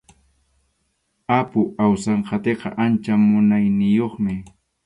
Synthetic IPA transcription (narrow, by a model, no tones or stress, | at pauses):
apʊawsɑɴqʰɑt̪eqɑ̰ʔant͡ʃamʊnajnɪjoχmɪ